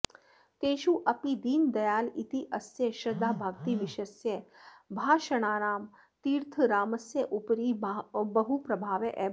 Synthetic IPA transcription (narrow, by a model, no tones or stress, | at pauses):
t̪eːʃuʔɐpid̪iːnd̪ɐjaːlit̪iʔɐsjeʃɾɐd̪ːaːbʱaːɡt̪iʋiʃɐsjebʱaːʃɐɽ̃aːnaːm | t̪iːɾt̪ʰəɾaːmɐsjəʔupɾiːbɐɦupɾɐbʱaːʋeʔɛː